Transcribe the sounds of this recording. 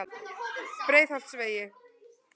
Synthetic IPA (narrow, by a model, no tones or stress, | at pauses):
pɾeːjθhal̥t̪sveːjɪ